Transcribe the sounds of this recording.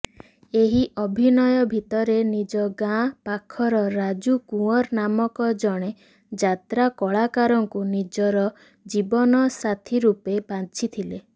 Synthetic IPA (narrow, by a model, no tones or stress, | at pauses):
eɦiʔɔbʱinɔjɔbʱit̪ɔɾenid͡ʒɔɡãpakʰɔɾɔɾad͡ʒukũɔɾnamɔkɔd͡ʒɔɽ̃e | d͡ʒat̪ɾakɔɭakaɾɔŋkunid͡ʒɔɾɔ | d͡ʒibɔnɔsat̪ʰiɾupebant͡ʃʰit̪ʰile